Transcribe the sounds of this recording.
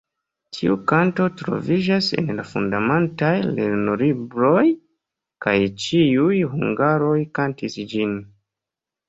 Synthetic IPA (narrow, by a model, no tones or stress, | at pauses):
tʰiukanto̞tɾo̞̰vid͡ʒase̞̰nlafṵndamentajlḛɾnolibɾo̞j | kajt͡ʃiujɦuŋɡaɾo̞jkantisd͡ʒin